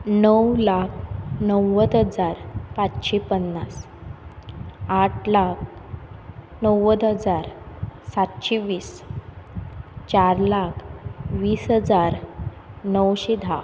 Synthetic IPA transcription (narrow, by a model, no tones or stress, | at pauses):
nəwlakʰnəwːəd̪ɦəd͡zaɾpat͡sɕepənːas | aʈʰlak̚ʰ | nəwəd̪ɦəd͡zaɾsat̪ɕeʋiːs | t͡ɕaɾlakʰʋiːsɦəd͡zaɾ | nəwɕed̪ʱa̰